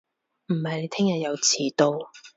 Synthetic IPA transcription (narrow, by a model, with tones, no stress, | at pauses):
m̩˨˩hɐ˨jne˨˧jt̪ʰɪ˥ŋjɐ˨t̚jɐ˨˧wt͡sʰiː˨˩t̪o˧w